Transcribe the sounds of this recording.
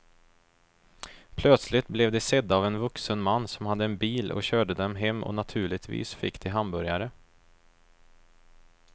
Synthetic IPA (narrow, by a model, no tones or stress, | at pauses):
pʰlœt̪slɪt̪blɛvd̪ɛsɛd̪ːavɛnvɵksənmanːsɔmhad̪ːəɛnbiːlɔ̰ɕøːɖəd̪ɛmɦɛmːʔɔ̰nat̪ʰʉ̟ːɭɪt̪vḭːsfɪ̰kːd̪ɛɦambœɾjaɾə